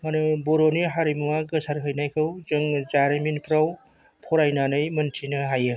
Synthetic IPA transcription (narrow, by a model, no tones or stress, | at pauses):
manɯboɾoniɦaɾimaɡɯsaɾkʰɯjnajkʰɯwzɯŋzaɾɯminpʰɾaw | pʰɔɾajnanɯjmɯntʰinɯɦajɯ